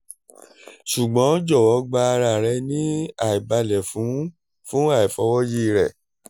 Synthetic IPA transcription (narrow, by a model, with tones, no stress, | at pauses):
ʃu˨ɡ͡bɔ̃˨˦d͡ʒɔ˦˨wɔ˨˦ɡ͡ba˧ɾa˨ɾɛ˧nĩ˦a˨i˨ba˧lɛ˨fũ˨˦ | fũ˦a˦˨i˨fɔ˧˦wɔ˦ji˦˨ɾɛ˨